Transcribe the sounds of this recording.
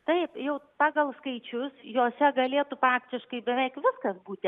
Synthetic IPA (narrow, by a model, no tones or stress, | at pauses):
t̪ɐɪpjɛʊpɑːɡɐlˠskɐɪt͡ʃʲʊsjoːsʲɛɡɐlʲeːt̪ʊpɑːkt̪ʲɪʃkɐɪbʲɛʋʲɛɪkʋʲɪskɐsbuːt̪ʲɪ